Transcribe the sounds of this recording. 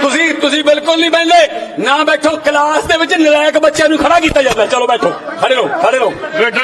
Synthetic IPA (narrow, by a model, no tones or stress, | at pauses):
t̪ʊsĩːt̪ʊsĩːbɪlkʊlnĩːpɛ̃ːnd̪eːnãːbɛːʈʰoːkəlaːsd̪eːʋɪt͡ʃnɪlaːjəkbətːʃjãːnũːkʰəɽaːkiːt̪aːd͡ʒaːnd̪aːt͡ʃəloːbɛːʈʰoːkʰəɽeːɾõːkʰəɽeːɾoːeː